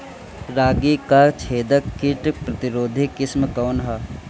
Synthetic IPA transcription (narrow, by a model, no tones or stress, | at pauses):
ɾaːɡikat͡ʃʰeːd̪əkːiʈpɾɐt̪ɪɾoːd̪ʱikɪsmkaːnɦa